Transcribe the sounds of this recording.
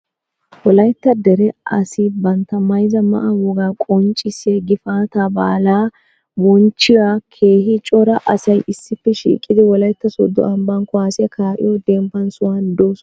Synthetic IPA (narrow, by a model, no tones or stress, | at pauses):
wɔlɐjt̪ːɐd̪ɛɾɛʔɐ̰sɪbɐnt̪ːɐmɐjzɐmɐ̰ʔɐwɔɡaːkʼɔnt͡ʃʼɪseɡɪfaːt̪aba̰ːlaː | bɔnt͡ʃːɪwakʰe̞ːhɪt͡ʃʼɔɾɐʔɐsɐjʔɪsːɪpːɛʃḭːkʼːɪd̪ɪwɔlɐjt̪ːɐsɔ̰d̪ːɔ̰ʔɐmbɐnkɔaːsɪjɐkaːʔɪ̰jɔd̪ɛmpːɐnsʊwand̪oːsɔ